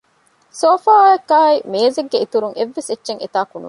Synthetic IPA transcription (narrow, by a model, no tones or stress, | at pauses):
soːfaːoekːaːɐimeːzeɡːeit̪uɾuŋʔeʋːesetːʃeŋet̪aːkunṵ